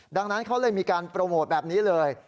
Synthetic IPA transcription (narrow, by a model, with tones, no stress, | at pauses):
da˧ŋna˦˥nkʰa˦˥wlɤː˧jmiː˧kaː˧npɾa˧moː˨˩bɛː˨˩p̚niː˦˥lɤː˧j